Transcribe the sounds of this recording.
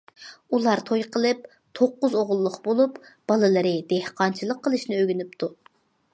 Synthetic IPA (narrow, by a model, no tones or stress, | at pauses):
ulˠɑɾt̪ʰojqʰəlˠɨp̚ | t̪ʰoqːʊzoʁʊlˠːʊqbolˠupb̥ɑlˠɨlˠɨɾɨd̪ehqʰɑnt͡ʃʰilˠəqʰːəlˠɨʃnɪøɡʲynyp̚t̪ʰu